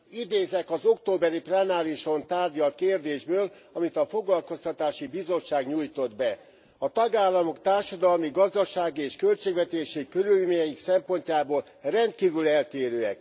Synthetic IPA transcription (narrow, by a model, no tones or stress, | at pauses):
id̪eːzɛkɒzo̞kt̪oːbɛɾiplɛnaːɾiʃo̞nt̪aːrɟɒlt̪̚keːrd̪eːʒbøːl | ɒmit̪ɒfo̞ɡlɒlko̞st̪ɒt̪aːʃibizo̞t͡ʃʃaːɡɲuːjt̪o̞d̪bɛ | ɒt̪ɒɡaːlːɒmo̞kt̪aːrʃɒd̪ɒlmiɡɒzd̪ɒʃaːɡieːʃkø̞lt͡ʃeːɡvɛt̪eːʃikøɾylmeɲɛjiksɛmpo̞ɲcaːboːl | rɛnt̪̚kiːvylɛlt̪eːɾøːɛ̰k